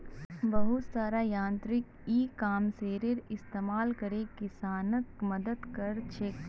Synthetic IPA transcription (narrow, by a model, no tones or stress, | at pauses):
bɐɦʊt̪saːɾajãːnt̪ɾɪk | iːkaːmseːɾeɾɪst̪eːmaːlkɐɾekɪsaːnəkmɐd̪əd̪kɐɾt͡ʃʰeːk